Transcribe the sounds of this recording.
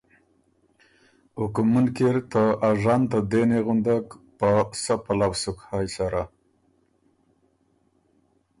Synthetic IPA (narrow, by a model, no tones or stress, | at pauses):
ukumunkeɾt̪əaʐɑnt̪ad̪eneɣund̪aɡpəsəpalawsukhɑjsaɾa